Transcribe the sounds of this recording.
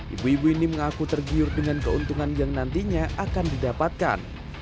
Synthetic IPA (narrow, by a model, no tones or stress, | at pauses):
ʔḭbuibuiniməŋakut̪ərɡiʊrdəŋankəunt̪uŋanjaŋnant̪iɲaʔakandidapat̪̚ka̰n